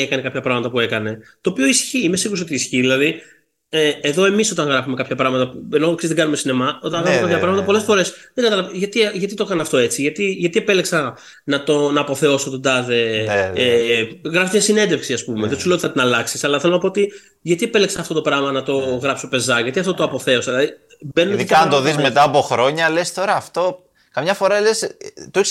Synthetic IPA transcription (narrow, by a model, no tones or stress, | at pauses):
ekɐne̞kɐpçɐpɾɐɣmɐt̪ɐpue̞kɐne̞t̪o̞ːpio̞isçiimesiɣuɾs̬ot̪iːsçiðilɐði | eeðo̞e̞miso̞t̪ɐŋɣɾɐfume̞kɐpçɐpɾɐɣmɐt̪ɐuenoksezðeɡɐnumesine̞mɐo̞t̪ɐŋɣɾɐfumekɐpçɐpɾɐɣmɐt̪ɐpo̞lesfo̞ɾe̞sðeɡɐt̪ɐlɐʝɐt̪iʝɐt̪it̪o̞kɐnɐft̪o̞e̞t͡siʝɐt̪iʝɐt̪ie̞pe̞leksɐ | nɐt̪o̞nɐːpoθe̞o̞sot̪od̪ɐðe̞eɣɾɐfst̪ɲɐsine̞nd̪efksiɐspumeðesulet̪i̥θɐt̪inɐlɐksisɐlɐθelo̞nɐpo̞ot̪i | ʝɐt̪iepeleksɐːft̪o̞t̪o̞pɾɐɣmɐnɐt̪o̞ɣɾɐpssopezɐʝɐt̪iɐft̪ot̪oɐpo̞θe̞o̞sɐlɐði | benunt̪oðizme̞t̪ɐːpoxɾo̞ɲɐle̞st̪o̞ɾɐːft̪o̞ | kɐmɲɐfo̞ɾɐlest̪oes